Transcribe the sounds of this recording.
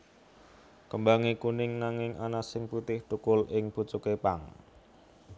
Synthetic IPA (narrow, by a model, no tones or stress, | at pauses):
kəmbaŋikunɪŋnaŋɪŋanasɪŋput̪ɪht̪ukʊlɪŋput͡ʃukepaŋ